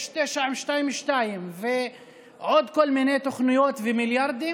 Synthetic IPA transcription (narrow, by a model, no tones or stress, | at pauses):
ʃt̪ɛʃaʕimʃt̪ajimʃt̪ajimve | ʕod̪kolminet̪oχnujot̪vemiljaɾd̪i